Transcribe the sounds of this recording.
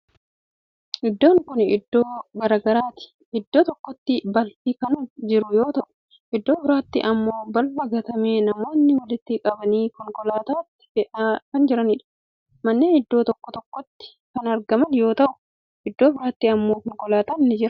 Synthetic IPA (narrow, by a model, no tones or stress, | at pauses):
ʔɪd̪ːo̞ːŋkʊnɪd̪ːoːɡɐɾɐɡɐɾaːt̪ɪ̥ | ʔɪd̪ːo̞ːt̪ɔkːɔt̪ːɪbɐlfikɐnʊd͡ʒɪɾʊjo̞ːt̪ɐʔʊ̥ | ʔɪd̪ːo̞ːbɪɾaːt̪ːɪ̰ʔɐmːo̞ːbɐlfɐɡɐt̪ɐmeːnɐmo̞ːnːɪwɐlɪt̪ːɪkʼɐbɐniːkɔŋkɔlaːt̪aːt̪ːɪ̥ɛʔɐkɐnd͡ʒɪɾɐniːᶑɐ̥ | mɐnːeːnɪd̪ːoːt̪ɔkːɔt̪ɔkːɔt̪ːɪ̥ | kɐnɐɾɡɐmɐnjo̞ːt̪ɐʔʊ̥ | ʔɪd̪ːo̞ːbɪɾaːt̪ːiɐmːoːkɔŋkɔlaːt̪aːnɪnːɪd͡ʒɪɾɐ